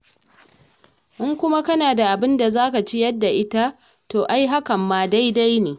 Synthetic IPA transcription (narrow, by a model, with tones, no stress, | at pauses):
ʔɪ˦ŋkʷʊ˦ma˦kɐ˦naː˨da˨ʔa˨bɪ˦nda˨zaː˦ka˨t͡ʃi˦jɐ˦dːa˨ʔɪ˦ta˦ | toː˨ʔa˦jɦa˦kɐ˨mːaː˨da˦jda˦jneː˨